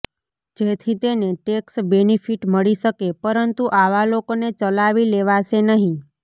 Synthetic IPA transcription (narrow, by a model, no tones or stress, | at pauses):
d͡ʒet̪ʰit̪eneʈeksbenifʰiʈməɭiʃəkepəɾənt̪uʔaʋalokonet͡ʃəlaʋileʋaʃenəɦĩ